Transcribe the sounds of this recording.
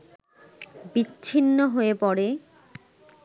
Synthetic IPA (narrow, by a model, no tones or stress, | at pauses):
biːɕʰinːoɦoepɔɽe